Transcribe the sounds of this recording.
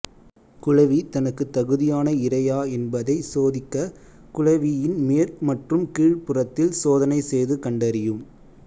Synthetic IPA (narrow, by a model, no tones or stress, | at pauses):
kʊɻɐʋit̪ɐnɐkːɯt̪ːɐɣɯðɪjaːnɐɪrɐjaːɛnbɐðɐɪsoːðɪkːɐ | kʊɻɐʋijɪnmeɾmɐʈrɯmkiːɻpɯrɐt̪ːɪlsoːðɐnɐɪsejðɯkɐɳɖɐɾɪjɯm